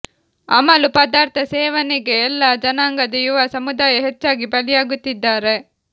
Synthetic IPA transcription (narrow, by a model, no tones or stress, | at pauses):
ɐ̰mɐlupɐd̪aːɾt̪ʰɐseːʋɐnɛɡeːlːaːd͡ʒɐnaːŋɡɐd̪ɐjuʋasɐmud̪aːjɐɦɛt͡ʃːaːɡibɐlijaːɡut̪ːid̪ːaːɾe